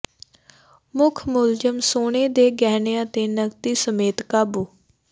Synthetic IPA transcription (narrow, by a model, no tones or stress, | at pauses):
mʊkʰmʊld͡ʒəmsoːɳ̃eːd̪eːɡɛːneãːt̪eːnəɡt̪iːsəmeːt̪kaːbuː